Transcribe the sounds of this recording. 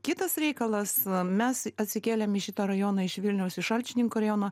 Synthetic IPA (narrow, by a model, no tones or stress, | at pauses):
kʲɪt̪ɐsɾʲɛɪkɐlˠɐsmʲɛsɐt̪ʲsʲɪkʲeːlʲɛmɪʃʲɪt̪oːɾɐjoːnɐːɪʃʋʲɪlʲnʲɛʊsɪʃɐlʲt͡ʃʲɪnʲɪŋkuːɾɐjoːnoː